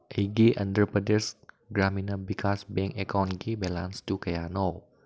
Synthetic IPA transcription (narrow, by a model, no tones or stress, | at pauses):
ʔeɡiʔãndt̪əɾpədəs | ɡɾaminabikʰasbɛŋɛkɔnkibɛlanst̪ukajanow